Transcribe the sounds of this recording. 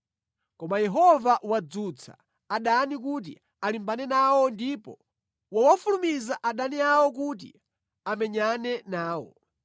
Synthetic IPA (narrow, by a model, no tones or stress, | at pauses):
kɔmajɛɦɔvaʔwad͡zut͡sʰa̰ː | ɗanik̬ut̬ḭ | alimbanɛnawɔndipɔ | wawafulumizaʔaɗaniawɔk̬ut̬ḭ | amɛɲanɛnaːwɔ̰